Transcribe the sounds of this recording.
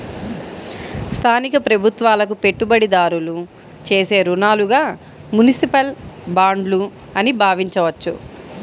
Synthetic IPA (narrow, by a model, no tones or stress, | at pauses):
st̪ʰaːnikɐpɾɐbʱut̪ʋaːlɐkupe̞ʈːubɐɽid̪aːɾulu | t͡ʃe̞ːse̞ːɾunaːluɡaː | munisipɐlbaːɳɖlu | ɐnibʱaːʋiɲt͡ʃɐʋɐt͡ʃːṵ